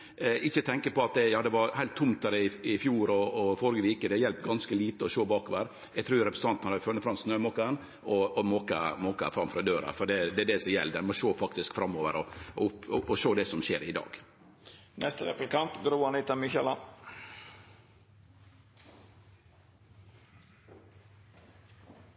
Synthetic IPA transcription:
ɛʔɪçːət̪ʰɛŋkəpɔɑt̪̚d̪ɛjɑːd̪ɛʋɑɾhæɪlt̪ʰːʊmt̪æɾɪɪfjuːɾɔːfɔɾɡəʋiːkəd̪ɛjɛlpɡɑnskəliːt̪əɔʃoːbɑːkoːʋəɾ | jɛɡt̪ɾuːjɾɛpɾəsən̩ɑnt̪nɑfœnːəfɾɑmsnøːmoːkɑən | ɔɔmoːkɑ̰moːkɑ̰fɾɑmfɾɑd̪øːɾɑ̰fɔɖɛd̪ɛæd̪ɛsɔmjɛ̰lːd̪ɛnmɔʃoːfɑkt̪ɪskfɾɑmːoːʋəɾɔʊpɔʔɔʃoːd̪ɛsɔmʃḛːɾɪd̪ɑ̰ːɡ̥ | nʔɛst̪əɾɛ̰plɪkɑnt̪ɡɾuːɑnɪt̪ɑmɪçɛlɑn

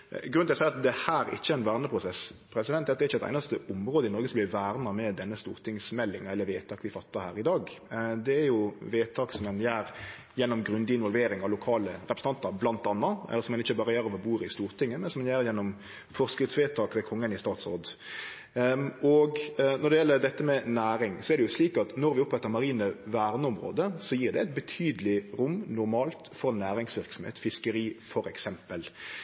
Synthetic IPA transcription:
ɡɾʉnsɛɪɑt̪̚d̪ɛhæːɾɪ̰çːəæɪnʋæːʁnəpʰɾʊsɛspʰɾɛsɪd̪ɛnæɑt̪̚d̪ɛɾɪçəɛt̪ɪnɑst̪əʔʊmʁoːd̪əɪnɔɾɡəsɔmblɪʋæːɾnɑmɛd̪ɛnːəst̪ṵːʁt̪ʰɪŋsmɛlːɪŋɛlːəɾʋeːt̪ʰɑːkʋɪfɑt̪ːɑhæːɾɪd̪ɑːɡd̪ɛæɾjʊʋeːt̪ʰɑːksɔmɛnjæːɾ | jɛnːɔmɡɾʉnd̪ɪnʋɔlʋeːɾɪŋɑʋlʊkʰɑːləɾɛpɾsnɑnt̪əɾblɑnt̪ɑnːɑɛ̰lːəɾsɔmːɛnɪçːəbɑːɾəjæːɾɔʋɔbuːɾɪst̪uːɾt̪ʰɪŋːəmɛnsɔmɛnjæːɾjɛnːɔm | fɔʁskɾɪt̪sʋeːt̪ʰɑːkʋɛːkʰɔŋːənɪst̪ɑːt̪so̰ːd̪ | ɔɡnɔɖ̪ɛjɛlːəɾd̪ɛt̪ːəmɛnæːɾɪŋsɔɛɾd̪ɛjʊsliːkɑt̪nɔɾʋɪʊpɛt̪ːəɾmɑʁiːnəʋæːʁnəɔmɾo̰ːd̪əsɔjiːʁd̪ɛɛɪt̪̚bət̪ʰyːd̪əlɪɾʊmːnʊɾmɑːlt̪fɔɾnæːɾɪŋsʋɪɾksɔm̩hḛːt̪fɪskəɾiːfɔɾɛksɛmpəl

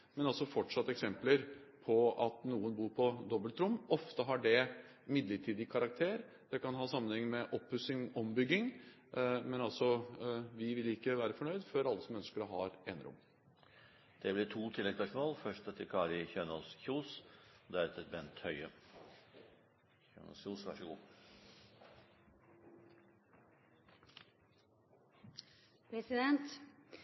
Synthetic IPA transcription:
mɛnɑlsɔfɔʈʂɑt̪ːɛksɛmpləɾpʰɔɑt̪nuːənbuːɾpʰɔd̪ɔbːəlt̪ɾʊmːɔft̪əɦɑɖɛ | mɪd̪ləʈʰiːd̪ɪkʰɑɾɑk̚t̪ʰeːɾ | d̪̥ɛkɑnɦɑːsɑmːənhɛŋːmɛʔɔpːʉsɪŋɔmbʏɡːɪŋ | mɛnɑlsɔʋɪʋɪlɪkːəʋæːɾəfɔɳœʏd̪føɾɑlːəsɔmœnskəɾɔɦɑ̰ɾeːnəɾʊ̰mː | d̪̥ɛblɪʈʰuːt̪ʰɪlːɛɡsɑʂmoːlfœʂtɛt̪ʰːɪkʰɑːɾɪçøːnɔlsçuːsd̪ɛæɾɛt̪əbɛnt̪hœʏə | suːsʋæʂɔɡṵː | pʰɾɛsɪd̪ɛnt̪

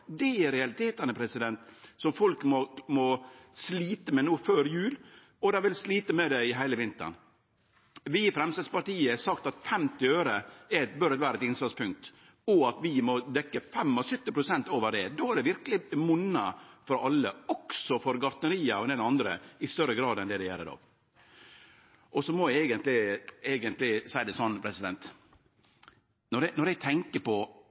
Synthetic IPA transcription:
d̪ɛɛɾɛɑlɪt̪ʰeːt̪ɑnəpʰɾɛsɪd̪ɛnt̪sɔmfɔlkmɔmɔsliːt̪əmɛnuːføːɾjʉːl | ɔd̪ɑʋɪlsliːt̪əmɛd̪ɛɪɦæɪləʋɪnt̪ə̰ɳ | ʋɪfɾɛmst̪ɛspɑɾʈiːəɛsɑkt̪ɑt̪fɛmt̪ɪøːɾəɛbœɾɛt̪ʋæːɾəɛt̪ɪnslɑt̪spʰʉŋk̚t̪ | ɔɑt̪ʋɪmɔd̪ɛkːəfɛmːɔsʏt̪ːɪpɾʊsɛnt̪oːʋəɖɛd̪oːæɖɛʋɪɾkəlɪmʊnːɑfɔɾɑlːəɔksɔfɔɾɡɑɾt̪nəɾiːɑɔnɛd̪ɑnd̪ɾə̰ɪst̪œɾːəɡɾɑːd̪ɛnd̪ɛd̪ɛjɛlːə̰d̪o̰ː | ʔɔsɔmɔʋæɛːɡənt̪lɪeːɡənt̪lɪsæɪd̪ɛsɔnːpʰɾɛsɪd̪ɛnt̪ | nɔɾɛnɔɾɛɡt̪ʰɛŋkəpɔ

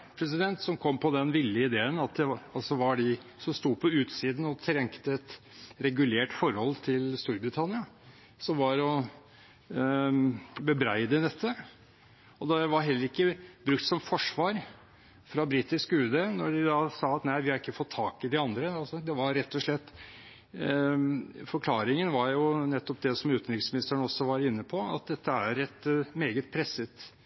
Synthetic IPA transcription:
pʰɾɛs̬ɪd̪ɛnt̪sɔmkʰɔmːpʰɔd̪ɛnʋɪlːəɪd̪eːənɑt̪̚d̪ɛɑlsɔʋɑɖɪsɔmst̪uːpʰɔʉːt̪siːd̪n̩ɔt̪ʰɾɛŋkt̪əɛt̪ | ɾɛɡʉleːʈfɔɾhɔlːt̪ʰɪlst̪uːɾbɾɪt̪ʰɑnɪɑ | sɔmʋɑɾɔ | bəbɾæɪd̪əd̪ɛt̪ʰːə | ɔd̪ɛʋɑɾɦɛlːəɾɪkːəbɾʉkt̪sɔmfɔʂʋɑːɾ | fɾɑbɾiːt̪ɪskʉːd̪enɔɖɪd̪ɑsɑːɑt̪næɪʋɪhɑɾɪkːəfɔt̪ʰːɑːkɪd̪ɪɑnd̪ɾəɑlsɔd̪ɛʋɑɾɾɛt̪ːɔʂlɛt̪ː | fɔɾkʰlɑːɾɪŋənʋɑɾjʊnɛt̪ːɔp̚d̪ɛsɔmʉːt̪nɾɪksmɪnɪst̪əɳəɔsːɔʋɑɾɪnːəpʰɔɑ̰t̪̚d̪ɛt̪ʰːəæɾɛt̪meːɡət̪̚pʰɾɛsːət̪

